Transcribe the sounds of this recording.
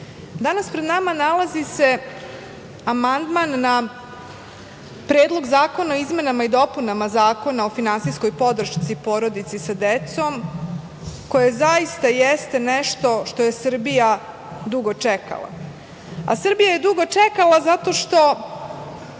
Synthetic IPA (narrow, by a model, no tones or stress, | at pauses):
d̪anaspɾed̪namanalazise̞ | amand̪manːa | pɾeːd̪lˠo̞ɡzaːko̞naoizme̞namaid̪o̞punamazaːko̞nao̞finansijsko̞jpo̞d̪ɾ̩ʃt̪sipo̞ɾo̞d̪it̪sisad̪et̪so̞m | ko̞je̞zajist̪ajest̪eneʃt̪o̞ʃt̪o̞je̞sɨr̩bija | d̪uɡo̞t͡ʂeka̰lˠa̰ | a̰sr̩bijaje̞d̪uɡo̞t͡ʂekalazat̪o̞ʃt̪o̞